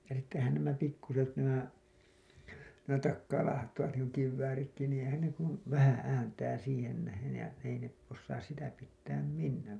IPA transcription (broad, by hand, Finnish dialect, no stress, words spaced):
jɑ sitːehæn næmæ pikːuset næmæ næmæ tɑkːɑːlɑːhɑtːɑʋɑt niːŋku kiʋːæːritki niːĩ eĭhæn ne kun ʋæhæ̃ː æːntæː siːhen næhen̞ jɑ ei ne osːɑːs sitæ pitːæːm minːæːŋ